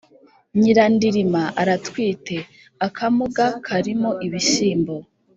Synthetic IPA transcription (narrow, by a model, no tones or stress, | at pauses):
ɲiɾandiɾimaʔaɾatwiːte̞ | akʰamuɡakʰaɾimoʔiβiʃiːmbo